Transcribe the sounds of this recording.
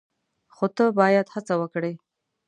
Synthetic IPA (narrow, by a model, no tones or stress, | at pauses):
xot̪əbɑjad̪hat͡sawəkɽej